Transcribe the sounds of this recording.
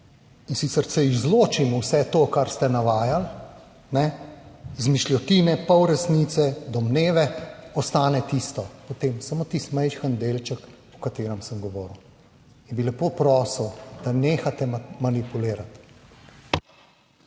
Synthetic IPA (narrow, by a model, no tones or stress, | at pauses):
insiːt̪sɛɾsɛizloːt͡ʃimuwsɛt̪okaɾst̪ɛnaʋaːjal | nɛ | zmiʃlʲjɔt̪iːnɛpɔwɾɛsnit̪sɛd̪ɔmneːʋɛɔst̪aːnɛt̪ist̪ɔpɔt̪eːmsamoːt̪ist̪mɛjʃxənd̪eːlt͡ʃək | ɔkat̪eːɾəmsəmɡɔʋɔːɾəw | inbilɛpoːpɾɔːsəwd̪̥aneːxat̪ɛmanipuleːɾat̪